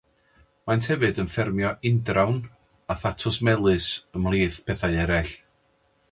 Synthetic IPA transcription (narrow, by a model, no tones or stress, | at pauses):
mantʰhɛvɨdənfɛrmjɔʔɪndrawn | aθatʰɔsmɛlˠɨsəmlˠiːθpʰɛθaɨɛɾɛɬ